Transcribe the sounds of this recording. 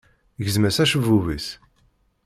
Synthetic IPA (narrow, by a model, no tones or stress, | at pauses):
ʝəzmæsæʃəvuvəs